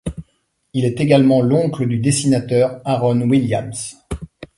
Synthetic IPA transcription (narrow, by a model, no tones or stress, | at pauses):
ilɛt̪eɡalmɑ̃lɔ̃kləd̪yd̪esinat̪œʁaʁɔnwiljams